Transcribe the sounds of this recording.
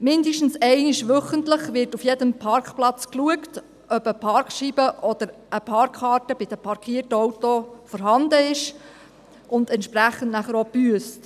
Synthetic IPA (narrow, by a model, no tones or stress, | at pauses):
mɪnd̪əʃtn̩sɛɪnɪʃʋœχəntləχʋɪɾtufjɛdəmpʰɑrkχplɑt͡skluəkt | ʔœbəpʰɑrkχʃibəʔɔd̥̪əɾ | əpʰɑrkʰχɑːɾtəb̥ɪd̪̥əpʰɑɾkʰiəɾtəɔwtofɔɾɦɑnd̪əɪʃ | ʔʊnd̪ɛntʃpɾæχːəntnæχəɾopyəst